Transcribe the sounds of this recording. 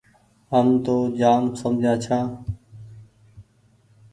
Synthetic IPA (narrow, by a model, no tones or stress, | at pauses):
ɦəmt̪oːd͡ʒaːmsəmd͡ʒʱãːt͡ʃʰãː